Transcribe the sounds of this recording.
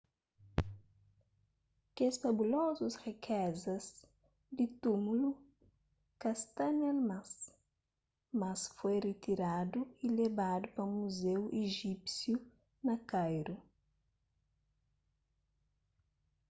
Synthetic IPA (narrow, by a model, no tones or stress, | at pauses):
kesfɐbulɔzusrikʰɛzɐz | d̪ɪt̪umulu | kast̪anɛlmas | mɐsfojrit̪iɾad̪uilebad̪upɐmuzewʔeʒipsju | nɐkajɾu